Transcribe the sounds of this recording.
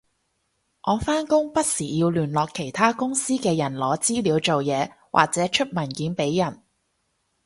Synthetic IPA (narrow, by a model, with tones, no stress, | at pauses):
ʔɔː˨˧faː˥nkʊ˥ŋpɐ˥t̚siː˨˩jiː˧wlyː˨˩nlɔː˨kʰːe˨˩jt̪ʰaː˥kʊ˥ŋsiː˥kɛː˧jɐ˨˩nlɔː˨˧˥t͡siː˥liː˨˧wt͡so˨wjɛː˨˧ | wʔa̰ː˨k̚t͡sɛː˨˥t͡ʃʰɵ˥t̚mɐ˨˩nkiː˨˥npe˨˥jːɐ˨˩n